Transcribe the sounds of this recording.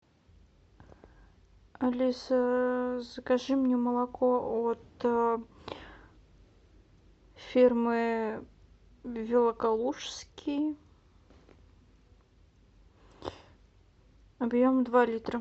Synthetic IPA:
ɐlʲisəzəkɐʐɨmnʲɛməlˠɐkoot̪ | fʲirmɨ | vʲɪlˠəkɐlˠuʂskʲʰɪj | ɐbjomd̪valʲit̪ɾə

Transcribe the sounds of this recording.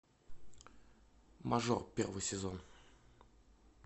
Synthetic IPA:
mɐʐo̰rpʲervɨjsʲɪzon

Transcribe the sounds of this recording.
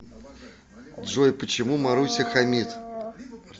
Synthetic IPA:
d̪ʐɔjpət͡ɕɪmumaɾusʲɪxamʲit̪

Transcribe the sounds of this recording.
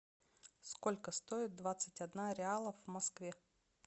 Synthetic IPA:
sko̞lʲkəst̪oɪt̪̚d̪vat̪sɨtʲɐd̪naɾʲɪalˠəvmɐskvʲe

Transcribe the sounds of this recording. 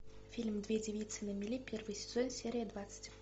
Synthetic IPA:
fʲilʲmd̪vʲedʲɪvʲit̪sɨnəmʲɪlʲipʲervɨjsʲɪzonsʲeɾʲɪjəd̪vat̪sɨ̥tʲ

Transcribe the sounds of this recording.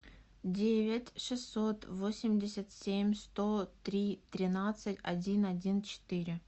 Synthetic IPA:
dʲevʲɪtʲʂɨsːot̪vosʲɪmʲdʲɪsʲat̪sʲemʲst̪ot̪ɾʲit̪ɾʲɪnat̪sɨtʲɐ̰dʲinɐdʲint͡ɕɪ̥t̪ɨɾʲɪ

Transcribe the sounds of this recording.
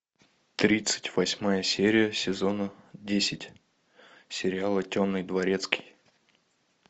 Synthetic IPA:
t̪ɾʲit̪sɨ̥tʲv̥ɐsʲmajəsʲeɾʲɪjəsʲɪzo̞nədʲesʲɪtʲ | sʲɪɾʲɪalˠətʲomnːɨjd̪vɐɾʲe̞t̪skʲɪ̥j

